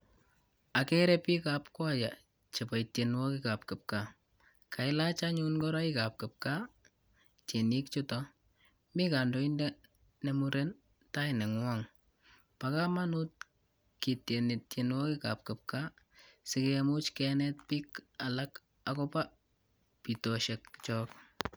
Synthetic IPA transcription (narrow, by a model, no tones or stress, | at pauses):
akeɾɛpikapkwaja | t͡ʃepaitjenwɔkɪkap̚kɪp̚ka | kʰaɪlat͡ʃaɲunkɔɾaikap̚kɪp̚ka | t͡ʃenikt͡ʃʊtɔ | mikandoindɛ | nemuɾen | tainɛŋwɔŋ | pakamanut̚ | kitjenitjenwɔkika̰p̚kɪp̚ka | sɪkemʊt͡ʃkɛnɛtpikalak | akɔpa | pitɔʃɛkt͡ʃɔːk̚